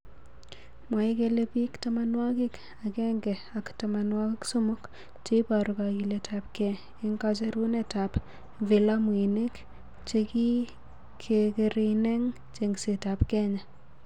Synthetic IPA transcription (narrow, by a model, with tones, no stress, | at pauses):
mwa˨i˦kele˦pi˦kta˦ma˦nwa˦ki˦k | a˨kɛ˦ŋɡɛ˨a˨kta˨ma˨nwa˦kɪ˦kso˦mʊ˦k | t͡ʃe˦pa˨ɾu˨ka˨ki˨le˨tʰa˨p̚kɛ˨ | i˦ŋka˦t͡ʃe˦ɾu˦neta˨p | vi˨la˦mwi˨ne˦k | t͡ʃeki˦ | kʰe˨ke˨ɾine˦ŋ | t͡ʃeŋɡse˨ta˨pkɛ˦ɲa˨